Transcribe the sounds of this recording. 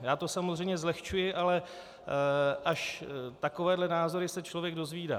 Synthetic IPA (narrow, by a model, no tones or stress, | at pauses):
jaːt̪o̞samozrɛjmɲɛzlɛxt͡ʃujɪʔalɛ | ʔaʃt̪akovɛːdlɛnaːzo̞ɾɪsɛt͡ʃlo̞vjɛɡ̚do̞zviːda̰ː